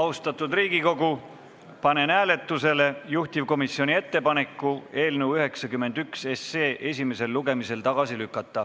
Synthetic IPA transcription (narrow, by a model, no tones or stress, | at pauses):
ɑust̪ɑt̪ːˑud̪riːɡ̥iko̞ɡu | pɑne̞næːle̞t̪ːˑuse̞le̞juht̪ivko̞misːio̞nʲie̞t̪ːe̞pɑne̞kːˑue̞ːlnewyɦe̞ksɑkymːe̞nd̪̥ykse̞sːeːʔe̞s̬ʲime̞se̞lːluɡ̥e̞mise̞lt̪ɑɡ̥ɑsilykːˑɑt̪ˑːɑ